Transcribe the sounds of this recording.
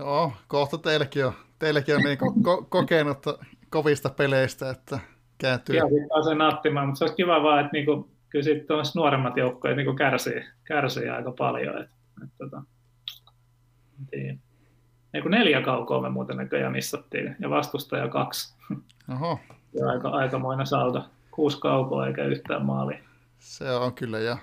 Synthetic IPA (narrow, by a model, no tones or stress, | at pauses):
okoht̪ɑt̪elkiot̪elækionniːkokokokeˑnut̪ːɑ | koʋist̪ɑpeleist̪æet̪ːæ | kæˑːnt̪ːˑyɑsit̪pɑːsenɑt̪ːimɑːmut̪seoˑiskiʋɑʋɑːet̪niːŋku | kylsiːt̪t̪omːst̪nuoremːɑt̪joukːoːet̪niːkukærsḭːkærsḭːɑ̰ikɑpɑ̰ljo̰ḛt̪ | et̪t̪ot̪ɑ | ent̪iː | eikuneljækɑuko̰ːmemuːt̪enækøjɑ̰misːɑt̪ːḭːjɑʋɑst̪ust̪ɑjɑ̰kɑks | ohoɑ̰ikɑ̰ʔɑikɑmoinɑsɑut̪ɑ | kuːskɑukoːḛikæyht̪æ̰ːmmɑ̰ːli | seoŋkylːæjɑ